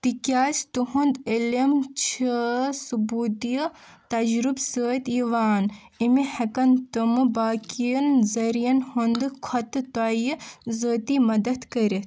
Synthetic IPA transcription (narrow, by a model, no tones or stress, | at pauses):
t̪ikʲjaːst̪uɦund̪ilimt͡ʃʰəsubuːd̪ijət̪ɐd͡ʒɾubsəːt̪iʋaːnimihɐkɐnt̪ɨmɨbaːkijɐnzɐɾijɐnhund̪ɨkʰɐt̪ɨt̪ajizəːt̪imɐd̪ɐd̪kɐɾit̪